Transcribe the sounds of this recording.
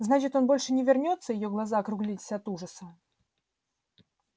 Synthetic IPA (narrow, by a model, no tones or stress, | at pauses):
znat͡ʃɪt̪ʲɔnbɔlʲʂɨnʲɪvʲɪrnʲɔt̪sːəjɪjɔɡlˠazaɐkɾuɣlʲit͡sʲsʲɐɐt̪uʐəsɐ